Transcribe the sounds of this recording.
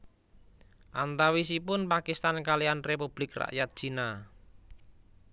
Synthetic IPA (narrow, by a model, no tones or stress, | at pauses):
ʔant̪awis̬ipʊnpakist̪ankalianrepub̥lɪkra̰ʔjat̪̚d̥ʒ̥i̤na